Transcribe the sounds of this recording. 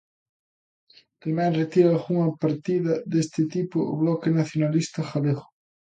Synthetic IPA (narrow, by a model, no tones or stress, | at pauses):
t̪emɛŋret̪iɾaːɣuŋɐpaɾt̪iðɐðest̪ɪt̪ipʊʊ̰βlɔkɪnaθjonalist̪ɐxaleɣʊ̥